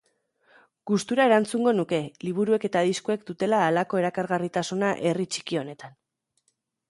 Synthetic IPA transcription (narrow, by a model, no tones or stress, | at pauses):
ɡ̥ust̪uɾae̞ɾant͡suŋɡo̞nuke̞liβ̞uɾue̞ke̞t̪aðiskue̞kd̪ut̪e̞laːlako̞e̞ɾakaɾɣarit̪asunaʔe̞rit͡ʃi̥kio̞ne̞t̪an